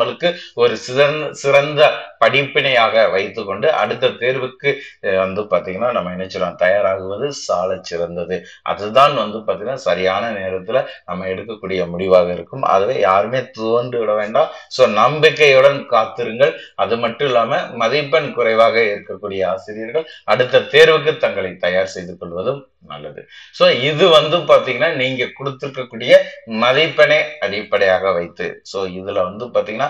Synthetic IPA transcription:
ɐɭɯkːɯɔɾɯsɪɐsɪɾɐnd̪ɐpɐɽɪpːɪɳɐjaːɣɐʋɐɪt̪ːɯkːɔɳɖɯʔɐ̰ɽɯt̪ːɐt̪eːɾʋɯkːɯʋɐnd̪ɯpaːɾt̪iːŋɡɐnːaːnɐmːɐɛɳɐt͡ʃːɯlõːt̪ɐjaːɾaːɣɯʋɐðɯsaːlɐt͡ʃːɪɾɐnd̪ɐðɯ | ʔɐ̰ðɯt̪aːnʋɐnd̪ɯpaːɾt̪iŋɡɐnːaːsɐɾɪjaːnɐneːɾɐt̪ːɪlɐnɐmːɐɛɽɯkːɐkːuːɽɪjɐmʊɽɪʋaːɣɐɪɾɯkːɯmɐ̰ðɐʋeːjaːɾɯmeːt̪oːɳɖɯʋɪɽɐʋeːɳɖaːsoːnɐmbɪkːɐjɯɽɐnkaːt̪ːɪɾɯŋɡɐɭɐðɯmɐʈːɯ̃ɪlːaːmɐmɐðɪpːɐnkʊɾɐɪʋaːɣɐɪɾɯkːɐkːuːɽɪjɐasɪɾɪjɐɾɣɐɭɐɽɯt̪ːɐt̪eːɾʋɯk̬ːɯt̪ːɐŋɡɐɭɐɪt̪ːɐjaːɾsɛjðɯkːɔɭʋɐðɯm | nɐ̰lːɐðɯ̰soːɪðɯʋɐnd̪ɯpaːɾt̪iːŋɡɐnːaːniːŋɡɐkʊɽɯt̪ːɪɾɯkːɐkːuːɽɪjɐmɐðɪpːɐneːɐɽɪpːɐɽɐjaːɣɐʋɐɪt̪ːɯ̰soːɪðɪlɐʋɐnd̪ɯpaːɾt̪iːŋɡɐnːaː

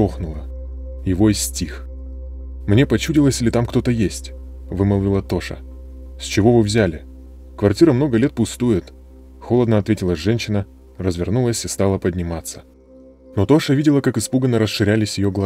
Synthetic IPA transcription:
oxnʊlˠə | jɪvoɪsʲtʲix | mnʲe̞pɐt͡ɕudʲɪlˠəsʲilʲɪt̪amkt̪o̞t̪əjesʲtʲvɨməlˠvʲɪlˠət̪o̞ʂə̰ | sʲt͡ɕɪvo̞vɨvzʲælʲɪ | kvɐrtʲiɾəmno̞ɡəlʲe̞t̪̚pʊst̪ujɪt̪ | xo̞lˠəd̪nəɐt̪vʲetʲɪlˠəsʲʐɛnʲɕːɪnə | rəzvʲɪrnulˠəsʲɪst̪alˠəpədʲnʲɪmat̪sːə̥ | no̞t̪o̞ʂəvʲidʲɪlˠəkakɨspuɡənːəɾəsʂɨɾʲælʲɪsʲjɪjoɡlˠɐ

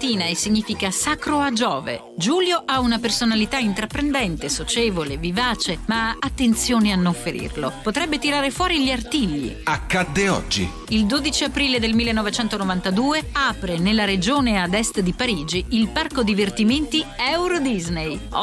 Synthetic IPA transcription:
t̪iːnaesːiɲːiːfikasakɾoad͡ʒɔːvḛ | d͡ʒuːljoʔaunapersonalit̪aint̪ɾapːɾend̪ɛnt̪esot͡ʃeːvolevivaːt͡ʃemaːt̪ːent̪sjoːneanːoɱfeɾḭrlopot̪ɾɛbːet̪iɾaːɾefwɔːɾiʎiart̪iʎːḭakːad̪ːeɔ̰d͡ʒːḭ | ild̪oːd̪it͡ʃiapɾiːled̪elmilːenːɔvet͡ʃɛnt̪onovant̪ad̪uːeaːpɾenelːaɾed͡ʒoːnead̪ɛst̪d̪ipaɾiːd͡ʒiilparkod̪ivert̪iment̪iɛwɾod̪iznej

